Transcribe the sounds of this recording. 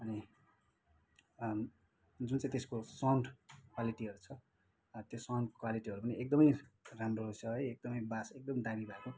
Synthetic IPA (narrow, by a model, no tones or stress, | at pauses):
ʌni | d͡zunt͡sãĩt̪eskosawɳɖkwaliʈiʌɾut͡sʰʌ | t̪josawɳɖkwaliʈiɦʌɾupʌniek̚d̪ʌmʌjramroɦot͡sʰʌɦʌjek̚d̪ʌmʌjbasek̚d̪ʌmid̪amibʱaeko